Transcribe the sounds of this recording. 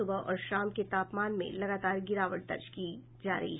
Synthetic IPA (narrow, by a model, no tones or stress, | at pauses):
ʊbəɔ̰ːɾʃaːmket̪aːpmaːnmḛ̃lɐɡaːt̪aːɾɡɪɾaːʋəʈ̚d̪ɐ̰ɾd͡ʒki | d͡ʒa̰ːɾɐ̰ɦḭɦ